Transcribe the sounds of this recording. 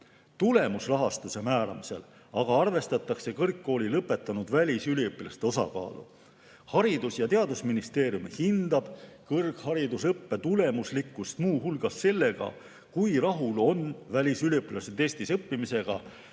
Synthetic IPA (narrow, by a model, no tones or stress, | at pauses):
t̪ule̞musrɑɦɑst̪use̞mæːɾɑ̰mise̞̰l | ɑɡ̥ɑɑrve̞st̪ɑt̪ːˑɑkse̞kɤrkːo̞ːlilɤpːe̞t̪ːˑɑnud̪̥vælʲisylʲipːilɑst̪e̞o̞sɑ̰kɑ̰ːlṵ | hɑɾid̪̥usjɑt̪e̞ɑd̪usminist̪e̞ːɾjumhind̪ɑb̥kɤrkhɑɾid̪usɤpːe̞t̪ule̞muslikːˑust̪muːhulɡ̥ɑsːe̞lːe̞ɡ̥ɑ̰ | kujɾɑɦulo̞nvælʲisylʲiɤpːilɑset̪e̞ːsʲt̪isɤpːimise̞ɡ̥ɑ̰